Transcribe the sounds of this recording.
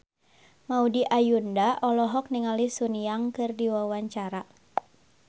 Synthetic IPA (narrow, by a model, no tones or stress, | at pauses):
maudiʔajundaʔɔlɔɦɔk̚niŋalisuniaŋkɨrdiwawaɲt͡ʃaɾa